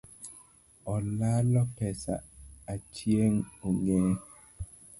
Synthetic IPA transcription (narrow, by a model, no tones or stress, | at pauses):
ɔlalɔpɛsa̰at͡ʃjeŋoŋɛː